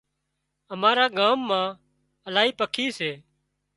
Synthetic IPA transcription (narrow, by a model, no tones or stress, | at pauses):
əmaːɾaːɡaːmːãː | əlaːɦiːpəkʰiːseː